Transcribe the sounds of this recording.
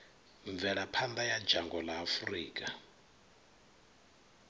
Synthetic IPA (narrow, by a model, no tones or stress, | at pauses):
ɱb̪vɛɺapʰand̪ajḁd͡ʒʱaŋɡɔlaːfuriːkʼa